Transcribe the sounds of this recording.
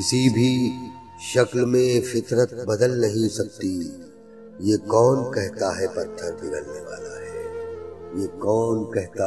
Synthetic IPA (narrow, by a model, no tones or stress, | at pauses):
kɪsibʱi | ʃɐklmẽfɪt̪ɾət̪̚bɐd̪əlnɐɦĩsɐk̚t̪i | jekɔːnkɛɦt̪aɦɛpɐt̪ʰːəɾbɪd̪əlneʋa̰ːlaɦɛːjekɔːnkɛɦt̪a